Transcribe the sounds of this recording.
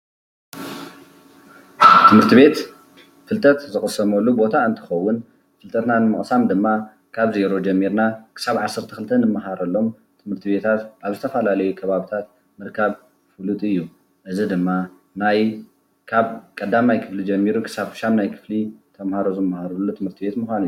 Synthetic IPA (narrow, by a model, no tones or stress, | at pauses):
t̪ʰɨmhɨɾt̪ʰiβe̞t̪ | fɨlt̪ʼɐt̪zɨxʼɨsɐmɐlːubo̞t̪ʰaɨnt̪ʰɨ̥xɐwːʊn | fɨlt̪ʼɐt̪nanɨmɨχʼsamd̪ɨmːa | kʰaβze̞ɾo̞d͡ʒɐmːiɾnakʰɨ̥saβʕasːɐɾt̪ʰɐxʰɨlt̪ʰːɐnɨmːaɦaɾɐlːo̞m | t̪ʰɨmhɨɾt̪ʰiβe̞t̪ʰat̪ʔaβzɨt̪ʰɐfɐlalɐjukʰɐβaβit̪ʰat̪ | mɨɾkʰaβ | fɨlut̪ʼɨjːu | ʔɨzid̪ɨmːa | naj | kʰaβkʼɐd̪ːamajkʰɨflid͡ʒɐmːiɾukʰɨ̥saβfɨ̥ʃamnajkʰɨ̥flit̪ʰɐmhaɾozɨmːahaɾulːut̪ʰɨmhɨɾt̪ʰibe̞t̪muxʷanɨjːu